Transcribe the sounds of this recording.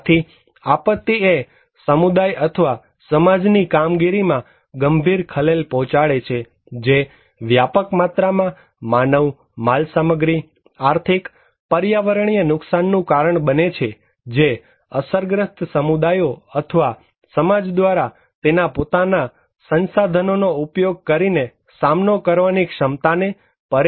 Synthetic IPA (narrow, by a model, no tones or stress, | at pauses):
t̪ʰi | apət̪ːie | səmud̪ajʔət̪ʰəʋa | səmad͡ʒnikamɡiɾimã | ɡəmbʱiɾkʰəlelpɔɦt͡ʃaɭet͡ʃʰe | d͡ʒe | ʋjapəkmat̪ɾamã | manəʋ | malsaməɡɾi | aɾt̪ʰik | pəɾjaʋəɾɳ̃ijənʊksanːũkaɾəɳbənet͡ʃʰe | d͡ʒe | əsəɾɡɾəst̪səmud̪ajoət̪ʰəʋa | səmad͡ʒd̪ʋaɾa | t̪enapot̪ana | sənsad̪ʱənonoupjoɡ̚kəɾine | samnokəɾʋanikʃəmt̪ane | pəɾ